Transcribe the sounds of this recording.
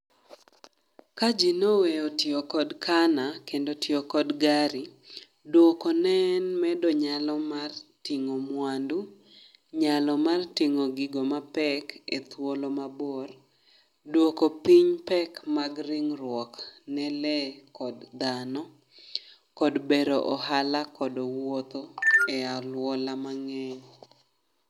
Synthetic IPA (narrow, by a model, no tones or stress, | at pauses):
kad͡ʒinoweotjokɔdkʰanakendotjokɔdɡaɾi | dwokɔnɛnmɛdɔɲalɔmartiŋomwandu | ɲalɔmartiŋoɡɪɡomapɛket̪wolɔmabor | dwokopiɲpɛkmaɡrɪŋɾwɔknɛlɛkɔdd̪anɔ | kɔdbeɾoʔɔhalakɔdɔwot̪oɛalwɔlamaŋɛɲ